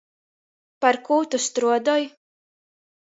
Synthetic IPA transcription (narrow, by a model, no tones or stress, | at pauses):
paɾkuːt̪ust̪ɾuɔd̪ɔj